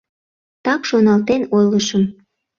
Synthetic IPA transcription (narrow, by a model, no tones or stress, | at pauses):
t̪ɑkʃonɑlt̪enojləʃəm